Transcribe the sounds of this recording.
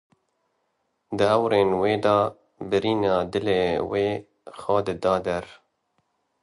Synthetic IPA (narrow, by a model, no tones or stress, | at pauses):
d̪ɨɛwɾeːnweːd̪ɑː | bɨɾiːnɑːd̪ɨleːweː | xɑːd̪ɨd̪ɑːd̪ɛɾ